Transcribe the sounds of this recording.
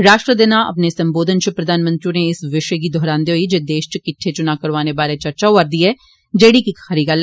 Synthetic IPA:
ɾaːʃʈɾəd̪ɪnãʔɐ̰pnesɐ̃mboːd̪ʱənt͡ʃʊpɾɐd̪ʱaːnmə̃nt̪ɾiũneɪsʋɪʃk̬id̪ʱɔːɾaːnd̪eɦoid͡ʒeːd̪eːʃt͡ʃəkɪʈʰːet͡ʃʊnakɐɾʋaːnebaːɾet͡ʃɐɾt͡ʃaaɾd̪iːɛː | d͡ʒeːɽikixɐɾiːɡal

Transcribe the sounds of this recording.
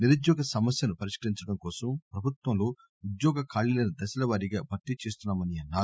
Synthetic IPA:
niɾud̪jɔːɡɐsɐmɐsjɐnupɐɾiʂkɐɾiɲt͡ʃɐɽɐmkɔːsɐmpɾɐbʱut̪wɐmloː | ud̪jɔːɡɐkʰaːɭːilɐnid̪ɐsɐlɐʋaːɾiɡaːbʱɐt̪ːit͡ʃeːst̪unːaːmɐniɐnːaː

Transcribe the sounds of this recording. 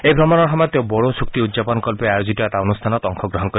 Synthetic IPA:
ejbʱɾɔmɔnɔɾɦɔmɔt̪jɔbɔɽosuk̚t̪iud̪d͡ʒapɔnɔkɔlpeajod͡ʒit̪ɔɛt̪aonust̪ʰanɔt̪ɔŋkʰɔɡɾɔɦɔnkɔɾi

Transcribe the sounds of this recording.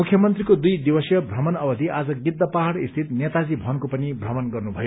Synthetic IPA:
mukʰjʌmʌnt̪rikod̪ujd̪ibʌsjʌbʱrʌmʌnʌbʌd̪ʱiʔad͡zʌɡid̪ːʌpaɦʌɽist̪ʰit̪̚njet̪ad͡zibʱʌnkopʌnibʱrʌmʌnɡʌrnubʱʌjo

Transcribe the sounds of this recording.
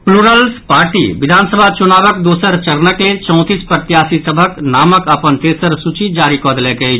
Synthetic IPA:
pluɾəlspaːɾʈḭbid̪ʱaːnsəbʱat͡ʃunaːbəkd̪oːsəɾt͡ʃəɾnəklet͡ʃɔ̃ʊ̃t̪iːspəɾt̪jaːsisəbʱəknaːməkəpənt̪eːsəɾsut͡ʃid͡ʒaːɾikɔd̪lɛke

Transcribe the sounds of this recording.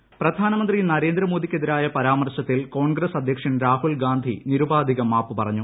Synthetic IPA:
prɐd̪ʱaːnɐmɐnd̪rinɐɾe̞ːnd̪ɾɐmo̞ːd̪ikʲːeðiɾaːjɐpɐɾaːmɐrɕɐt̪ːilko̞ːɳɡɾɐsɐd̪ʱjɐkʂɐnɾaːhulɡaːnd̪ʱiniɾubaːd̪ʱiɣɐmaːpːɨpɐrɐɲːu

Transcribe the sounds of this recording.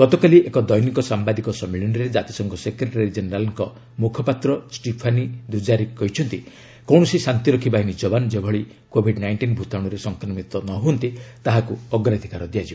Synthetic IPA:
ɡ̥ɔt̪ɔkaliʔekɔd̪ɔjnikɔsambad̪ikɔsɔmːilɔñɔɾed͡ʒat̪i̥sɔŋkɔsekɾeʈɾeɾid͡ʒeneɾalɔŋkɔ | mukʰɔpat̪ɾɔsʈipʰanid̪ud͡ʒaɾikɔɦit͡ʃʰɔnt̪i | kɔw̃ɔsisant̪iɾɔkʰibaɦinid͡ʒɔbanɔd͡ʒebʱɔɭi | kobʱiɖnajɳʈinbʱut̪aɽ̃ɔɾesɔŋkʰɾɔmit̪ɔnɔɦuɔnt̪it̪aɦakuɔɡɾad̪ʱikaɾɔd̪ijad͡ʒi

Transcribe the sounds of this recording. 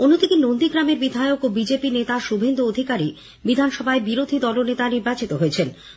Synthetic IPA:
onod̪ik̪inond̪iɡɾameɾbid̪ʱaeokobid͡ʑepinet̪aʃubʱend̪uod̪ʱikaɾi | bid̪ʱanʃɔbʱaebiɾod̪ʱid̪ɔlonet̪aniɾbat͡ɕit̪oɦoet͡ɕʰen

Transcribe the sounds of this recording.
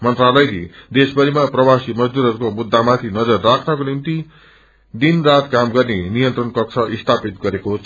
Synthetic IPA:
mʌnt̪ralʌjlid̪esbʌɾimaprʌbasimʌd͡zd̪uɾʌɾukomud̪ʱːamat̪ʰinʌd͡zʌrːakʰnʌkonimt̪i | d̪inrat̪kamɡʌrnenijʌnt̪rʌnkʌk̚sʰʌʔist̪ʰapit̪ɡʌɾekot͡sʰ

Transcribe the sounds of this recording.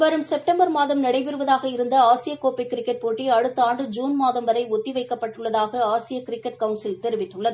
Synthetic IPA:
ʋɐɾɯmsɛp̚ʈɐmbɐɾmaːðɐmnɐɽɐɪʋɪɾɯʋɐðaːɣɐɪɾɯnd̪ɐaːsɪjɐkːoːpɐɪkːɪɾɪkːɛʈ̚poːʈːiɐɻɯt̪ːɯaːɳɖɯd͡ʒuːnmaːðɐmʋɐɾɐɪɔt̪ːiʋɐɪkːɐpːɐʈːɯɭːɐðaːɣɐaːsɪjɐkɪɾɪkːɛʈ̚kɐʊnsɪlt̪ɛɾɯʋɪʈːɯɭːɐðɯ

